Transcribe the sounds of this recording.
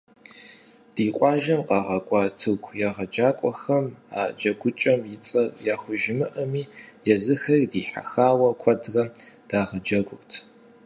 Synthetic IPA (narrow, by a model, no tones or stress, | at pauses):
d̥iːqʷʼɑːʒɐmqɑːʁɐkʷʼɑːtʰɨɡʷʰʼjaːʁɐd͡ʒaːkʷʼɔxɐma̰ːd͡ʒɐɡʷʊt͡ʃʼɐmjɪt͡sʼɐrjaːxʷʊʒɪmɨʔɐmiːjɛzɨxɐridiːħa̰xaːwɐkʷʰɐdrɐd̥aːʁɐd͡ʒɐɡʷʊrtʰ